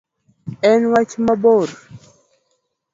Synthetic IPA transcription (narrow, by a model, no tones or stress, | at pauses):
ɛnwat͡ʃimaboɾ